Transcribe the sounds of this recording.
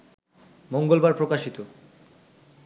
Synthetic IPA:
moŋɡolbaɾpɾokaʃit̪o

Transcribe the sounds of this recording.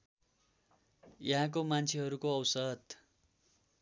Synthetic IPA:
jʌɦãk̬omant͡sʰeɦʌɾukoʌwsʌd̪

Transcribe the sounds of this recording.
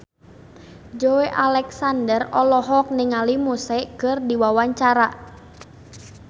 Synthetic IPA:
d͡ʒoeʔalɛksandərɔlɔɦɔk̚nɪŋalimusɛkɨrdiwawaɲt͡ʃaɾa

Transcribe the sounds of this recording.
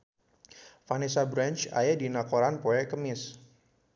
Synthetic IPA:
fanisabɾant͡ʃa̰jadinakoɾanpoɛkəmɪs

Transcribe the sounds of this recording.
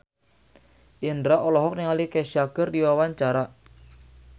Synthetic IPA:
ʔindɾaʔɔlɔɦɔk̚niŋalikɛʃaɡ̥ərdiwawaɲt͡ʃaɾa

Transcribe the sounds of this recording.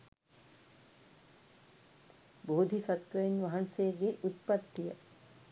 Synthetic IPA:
boːd̪ʱisat̪ʋɐjinʋaɦansejəɡeʔut̪̚pat̪ːijə

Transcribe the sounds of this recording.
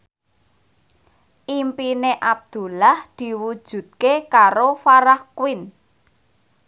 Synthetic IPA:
ʔimpineʔab̚d̪̥ṳlahd̪̥i̤wud̥ʒ̥ṳt̪̚kekaɾofaɾahkwɪn

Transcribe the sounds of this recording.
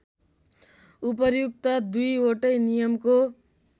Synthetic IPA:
upʌɾjuk̚t̪ʌd̪ujoʈʌjnijʌmko

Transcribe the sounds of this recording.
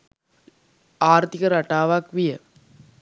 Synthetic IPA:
aːɾt̪ɪkɐɾɐʈːaːʋaːkʋijɐ

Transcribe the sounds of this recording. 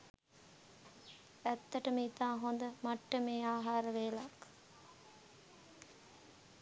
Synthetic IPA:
æt̪ːəʈəmiit̪aːɦond̪əmaʈːəmeːaːɦaːɾəʋeːlak

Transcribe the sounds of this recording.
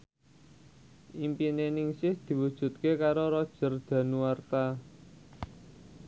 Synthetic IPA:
ʔimpinenɪŋsɪhd̪̥i̤wud̥ʒ̥ṳt̪̚kekaɾoɾɔd̥ʒ̥ə̤rd̪̥ä̤nuwart̪a

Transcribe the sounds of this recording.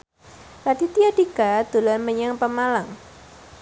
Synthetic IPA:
lat̪it̪iadikad̪̥o̤lanməɲaŋpəmalaŋ

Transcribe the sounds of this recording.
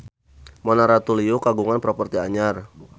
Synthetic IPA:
mɔnaɾat̪uliukaɡuŋanpɾɔpərt̪iaɲar

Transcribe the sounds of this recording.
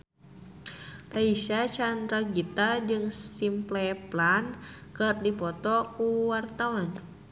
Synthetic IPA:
raisat͡ʃand̪ɾaɡit̪ad͡ʒɨŋsimplɛplankɨrdipɔt̪ɔkuwart̪awan

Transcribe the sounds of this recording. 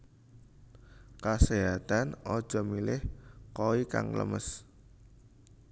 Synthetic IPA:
kaseɦat̪anɔd̥ʒ̥ɔ̤milɪhkowika̰ŋlə̰məs

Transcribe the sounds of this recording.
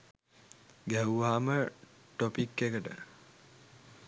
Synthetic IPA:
ɡæwuʋaːməʈopikːekəʈə

